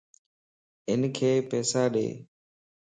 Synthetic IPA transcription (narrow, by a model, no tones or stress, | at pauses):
ɪnkʰeːpɛːsaːɗḛː